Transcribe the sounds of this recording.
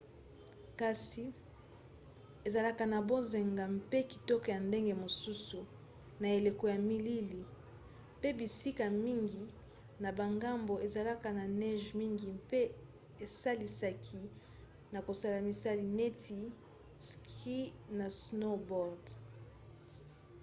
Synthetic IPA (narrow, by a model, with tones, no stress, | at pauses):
ka˨si˨ | e˨za˨la˦ka˨na˨bo˦ze˨ŋɡa˨mpe˦ki̥˨tɔ˦kɔ˨ja˨nde˦ŋɡe˦mo˨su˦su˨ | na˨e˨le˨ko˨ja˨mi˦li˦li˨ | pe˦bi˨si˦ka˨mi˦ŋɡi˨ | na˨ba˨ŋɡa˦mbo˨e˨za˨la˦ka˨na˨nɛ˦ʒmi˦ŋɡi˨mpe˦ | e˨sa˦li˨sa˨kʰi˨ | na˨ko˨sa˦la˨mi˨sa˦li˨nɛ˦tʰi˨ | ski˦na˨sno˦bɔ˨ʁd